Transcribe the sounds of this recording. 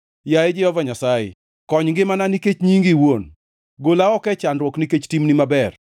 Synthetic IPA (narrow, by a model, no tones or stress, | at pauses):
jaed͡ʒɪhɔvaɲasajɪ̰ | kɔɲɡɪmananiket͡ʃɲiŋɡiwon | ɡolaɔkɛt͡ʃanɾwɔkniket͡ʃtimnimabɛr